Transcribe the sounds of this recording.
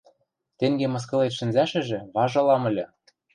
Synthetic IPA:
t̪eŋɡemɤ̆s̬kɤ̆let̪ʃɘ̆nzæʃɘ̆ʒĕβɑʒɤ̆lɑmɤ̆lʲɤ̆

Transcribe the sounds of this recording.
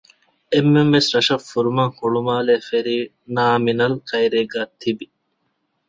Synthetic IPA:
emːemʋesɾɐʃɐfːuɾumɐŋhuɭumaːleːfeɾiː | naːminɐlkɐjɾeːɡaːt̪ʰibi

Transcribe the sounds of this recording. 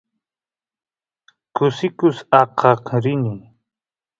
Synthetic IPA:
kʊsɪkʊsɑqʰɑqɾɪni

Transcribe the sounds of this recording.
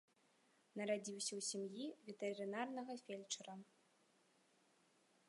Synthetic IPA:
nɐɾad͡zʲiwsʲɐwsʲamjivʲɛt̪ɛɾɨnarnɐɣɐfʲelʲt͡ʂɐɾɐ

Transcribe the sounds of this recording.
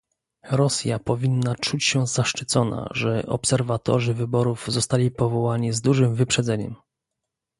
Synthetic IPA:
ɾɔsʲjapɔvʲinːat͡ʂut͡ɕɕɛzaʂt͡ʂɘt̪sɔna̰ʐɛʔɔ̰psɛɾvat̪ɔ̰ʐɘvɘbɔɾuvzɔst̪alʲipɔvɔwaɲizd̪uʐɘmvɘpʂɛd̪zɛɲɛ̰m

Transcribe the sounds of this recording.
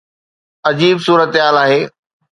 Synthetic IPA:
ɐd͡ʑiːbsuːɾət̪ɦaːlaːɦeː

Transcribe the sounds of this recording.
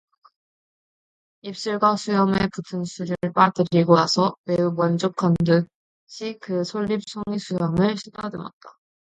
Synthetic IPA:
ip̚s͈ɯɭɡwasʰujʌme̞putʰɯnsʰuɾiɯɭp͈adɯɾiɡonasʰʌme̞umwʌnd͡ʑokʰandɯ | ɕʰikɯsʰoʎːip̚sʰoŋisʰujʌmɯɭɕʰidadɯmʌ̰t̚t͈a

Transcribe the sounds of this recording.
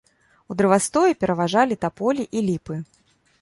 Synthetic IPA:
ud̪ɾɨvast̪ɔjɛpʲɛɾɐvaʐalʲit̪apɔlʲiʔilʲipɨ

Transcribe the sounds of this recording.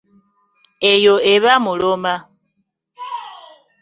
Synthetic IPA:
ejoeβamuloma

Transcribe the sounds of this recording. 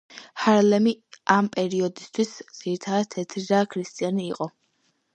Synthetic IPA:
haɾlɛmiʔampʼɛɾiɔd̪ist̪ʰwisd̪z̥iɾit̪ʰad̪at̪ʰɛt̪ʰɾiɾakʰɾist̪ʼianiːqʼɔ

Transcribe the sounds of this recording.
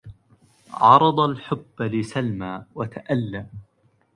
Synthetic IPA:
ʕɑɾˤɑd̪ˤɑlħʊbːlɪsalmaːwat̪aʔalːa

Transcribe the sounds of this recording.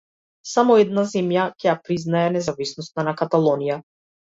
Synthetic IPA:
samɔɛd̪̚nazɛmjacʲɛjapɾiznaɛnɛzavisnɔst̪anakat̪alˠɔnija

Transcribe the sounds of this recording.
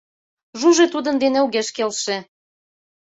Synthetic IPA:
ʒuʒet̪ud̪ə̆nd̪eneuɣeʃkelʃĕ

